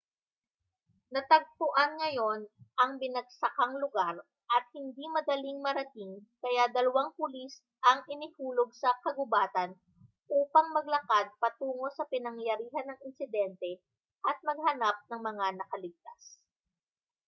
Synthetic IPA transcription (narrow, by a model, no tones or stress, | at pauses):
nɐt̪ɐɡ̚p̪ʊʔanŋɐjo̞nʔɐŋbɪnɐɡ̚sɐkaŋlʊɡaɾ | ʔɐt̪̚hɪnd̪imɐd̪ɐliŋmɐɾɐt̪iŋkɐjad̪ɐlɐwaŋpʊlis | ʔɐŋʔɪnɪhuːlo̞ɡ̚sɐkɐɡʊbaːt̪ɐn | ʔuːpɐŋmɐɡ̚lɐkad̪̚pɐt̪uːŋo̞sɐpɪnɐŋjɐɾiːɦɐnːɐŋɪnsɪd̪ɛnt̪ɛ | ʔɐt̪̚mɐɡ̚hɐnap̚nɐŋmɐŋanɐkɐlɪɡ̚t̪as